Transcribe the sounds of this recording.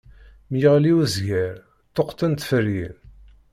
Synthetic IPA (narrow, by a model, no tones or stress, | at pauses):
mjəʁliwəzʝæɾ | t̪ːoqt̪ənt̪fərin